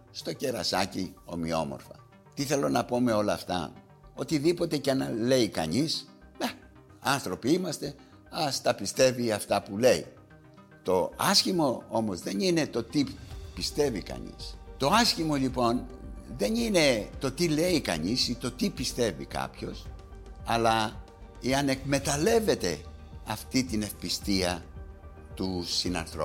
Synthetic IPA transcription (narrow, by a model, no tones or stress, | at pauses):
st̪o̞ce̞ɾɐ̰sɐ̰cio̞̰mio̞̰mo̞̰ɾfɐ̰ | t̪iθe̞lo̞nɐpo̞me̞o̞lɐːft̪ɐ̰ | o̞t̪iðipo̞t̪e̞cenɐle̞ikɐ̰ɲis | e | ɐnθɾo̞piimɐst̪e̞ | ɐst̪ɐpist̪e̞viɐft̪ɐpule̞ḭ | t̪o̞ɐsçimo̞omo̞zðe̞nine̞t̪o̞t̪ipist̪e̞vikɐ̰ɲḭst̪o̞ɐsçimo̞ʎipo̞nðe̞nine̞t̪o̞t̪ile̞ikɐ̰ɲisit̪o̞t̪ipist̪e̞vḭkɐ̰pço̞sɐlɐ | eɐne̞kme̞t̪ɐle̞ve̞t̪e̞̰ɐft̪it̪ine̞fpist̪iɐ | t̪usinɐ̰nθɾo